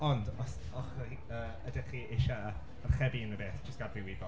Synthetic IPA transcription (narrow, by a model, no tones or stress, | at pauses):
ɔndɔs | ɔχ | ə | ədɛχiʔɪʃaː | rχɛbiənəbeːθd͡ʒəstɡ̥adɪwɪbɔ